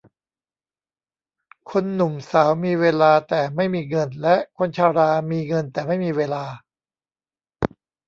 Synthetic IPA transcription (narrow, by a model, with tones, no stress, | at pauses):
kʰo˧nːu˨˩msaː˩˦wmiː˧weː˧laː˧t̪ɛː˨˩ma˥˩jmiː˧ŋɤ˧nlɛ˦˥ʔkʰo˧nt͡ɕʰaː˧ɾaː˧miː˧ŋɤ˧nt̪ɛː˨˩ma˥˩jmiː˧weː˧laː˧